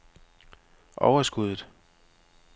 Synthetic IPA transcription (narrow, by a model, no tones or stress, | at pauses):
ʔɒʊɐsɡ̥uðˠð̩ˠ